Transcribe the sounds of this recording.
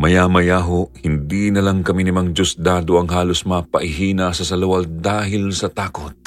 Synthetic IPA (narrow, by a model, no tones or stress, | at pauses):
mɐjamɐjaːɦoʔhɪnd̪inɐlɐŋkɐminɪmɐŋd͡ʒosd̪aːd̪oʔɐŋɦaːlosmaːpɐʔɪɦiːnɐsɐsɐlɐwɐld̪aːhɪlsɐt̪aːkot̪̚